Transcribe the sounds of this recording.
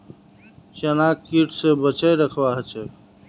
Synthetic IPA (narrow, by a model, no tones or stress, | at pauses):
t͡ʃənaːkkːiʈʰsebət͡ʃəɾəkʰwaɦət͡ʃe